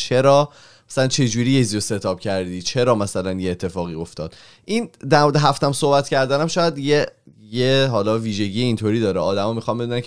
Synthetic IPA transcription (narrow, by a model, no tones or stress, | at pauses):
t͡ʃʰeɾɒː | mæsælænt͡ʃʰe̞d͡ʒuːɾijezijose̞t̪ʰɒːb̥cʰæɾd̪iːt͡ʃʰe̞ɾɒːmæsælænjeeːt̪ʰːe̞fɒːɣiːo̞ft̪ɒ̰ːd̪̥ | ʔind̪æɾmoɾed̪eɦæft̪æmsohbæt̪ʰcʰæɾd̪ænæmʃɒːjæd̪je | jeɦɒːlɒːviːʒe̞ɟijeint̪ʰoɾiːd̪ɒːɾɛɒːd̪æmɒːmixɒnbed̪unænkʰ